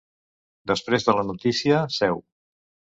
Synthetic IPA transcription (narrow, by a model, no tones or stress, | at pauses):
d̪əspɾezðələnut̪isiəsɛw